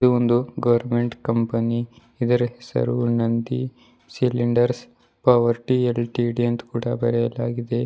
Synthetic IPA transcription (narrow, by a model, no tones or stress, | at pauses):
uond̪uɡɐʋɐɾme̞ɳʈkɐmpɐni | id̪ɐɾɐhesɐ̰ɾunɐnd̪i | siliɳɖɐɾs | pɐʋɐɾʈielʈiɽijɐnt̪kuːɽɐbɐɾɛjɐlaːɡid̪e̞